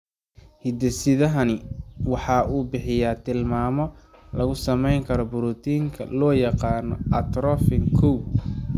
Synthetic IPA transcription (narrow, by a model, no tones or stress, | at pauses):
hɪd̪ɛsɪðɐɦɐnɪwɑħɑuːbɪħɪjaːt̪ʰɪlmaːmɔ | lɐɣʊsɐmɛjŋkʰɐɾɔbʊɾut̪ʰiːŋkʰɐ̰lɔːjɑqɑːnɔ̰ɐt̪ɾɔfɪŋkʰuw